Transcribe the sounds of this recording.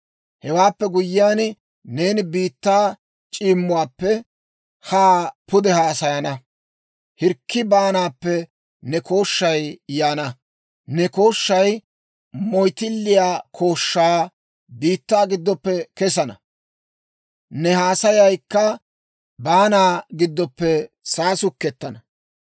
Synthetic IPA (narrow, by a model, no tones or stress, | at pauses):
hɛwaːpːɛɡʊjːɪjaːn | ne̞ːnɪbiːt̪ːaː | t͡ʃʼiːmːʊwaːpːɛ | haːpʊd̪ɛhaːsɐjɐnɐ | hɪɾkːɪbaːnaːpːɛ | nɛko̞ːʃːɐjjaːnɐ | nɛkoːʃːɐj | mɔjt̪ɪlːɪjaːkʰo̞ːʃːaː | b̪iːt̪ːaːɡɪd̪ːɔpːɛkɛs̬ɐnɐ̰ | nɛhaːsɐjɐjkːɐ | baːnaːɡɪd̪ːɔpːɛ | saːsʊkːɛt̪ːɐnɐ